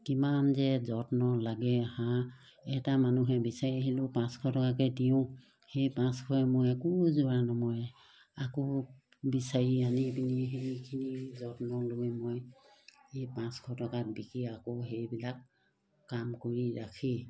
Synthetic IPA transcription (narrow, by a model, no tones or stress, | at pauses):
kimanzɛzɔtnɔlaɡɛhã | ɛtamanuɦɛbisaɹiɦilʊpãskʰɔtɔkak̬ɛdijʊ̃ | hejpãskʰɔɛmojɛkuzuanɔmɔj | ako | bisaɹianipiniɦeɹikʰinizɔtnɔlojmoj | ejpãskʰɔtɔkat̚bikiakoɦejbilakː | amkoɹiɹakʰi